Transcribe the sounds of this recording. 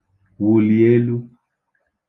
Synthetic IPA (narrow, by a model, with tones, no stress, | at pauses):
wu˨li˨e˦lu˦